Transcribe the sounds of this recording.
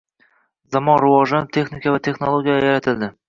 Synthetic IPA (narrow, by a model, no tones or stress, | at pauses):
zamɒnɾʊvɒʒanɪp̚t̪ʰe̞χnikavat̪ʰe̞χnolˠoɡʲijajaɾat̪ʰɪld̪ɪ